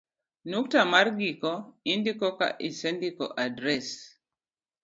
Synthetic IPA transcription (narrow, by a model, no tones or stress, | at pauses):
nuk̚tamarɡikɔindikɔka̰ʔisɛndikɔʔadɾɛs